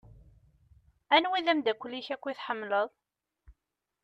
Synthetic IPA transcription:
ænwiðæmd̪ækʷːlːiçækʷːiθħəmːləðˤ

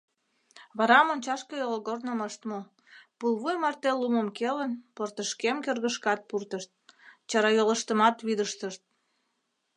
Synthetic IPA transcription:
βɑɾɑmonʲt͡ɕɑʃkəjoloɣornəməʃt̪mo | pulˠβujmɑrt̪eluməmkelənport̪əʃkemkørɣəʃkɑt̪̚purt̪əʃt̪̚t͡ɕɑɾɑjoləʃt̪əmɑt̪βid̪əʃt̪əʃt̪̚

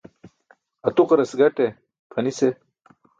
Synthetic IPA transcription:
ɐt̪uqɾɐsɡɐʈe | pʰɐnise

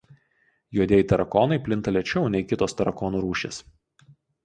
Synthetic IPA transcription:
juɔd̪ʲeːjit̪ɐɾɐkɔːnɐɪpʲlʲɪnt̪ɐlʲɛt͡ʃʲɛʊnʲɛɪkʲɪt̪oːst̪ɐɾɐkɔːnuːɾuːʃʲḛːs

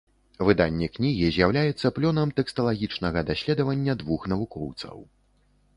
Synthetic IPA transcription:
vɨd̪anʲːɛknʲiɣʲizʲjawlʲajɛt̪sːɐplʲɔnɐmt̪ɛkst̪ɐlˠaɣʲit͡ʂnɐɣɐd̪asʲlʲɛd̪ɐvɐnʲːɐd̪vuxnɐvukɔwt̪sɐ̰w

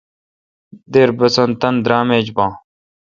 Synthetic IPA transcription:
d̪eɾbɐsɐnt̪ɐnd̪ɾaːmeːd͡ʑbãː

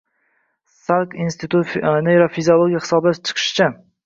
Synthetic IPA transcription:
salkinst̪ʰɪt̪ʰut̪nejɾafiziolˠoɡʲijahɪ̥sɒbat͡ʃʰɨ̥qʰɨ̥ʃt͡ʃʰa

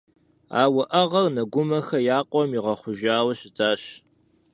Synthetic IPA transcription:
a̰ːwɐʔɐʁɐrnɐɡʷʊmɐxɐjaːqʷʼɔmiʁɐχʷʊʒaːwɐɕɪtaːɕ

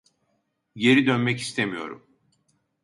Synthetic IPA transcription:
je̞ɾid̪ønmɛci̥st̪ʰemijo̞̰ɾṵm

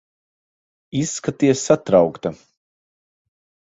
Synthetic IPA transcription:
isːkat̪iɛsːat̪ɾawkt̪a

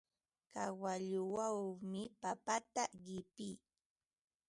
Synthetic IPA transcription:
kawaʎʊwawmɪpapat̪aɢɪpiː

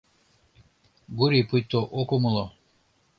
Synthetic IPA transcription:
ɡuɾipujt̪ːoʔokumulˠɔ

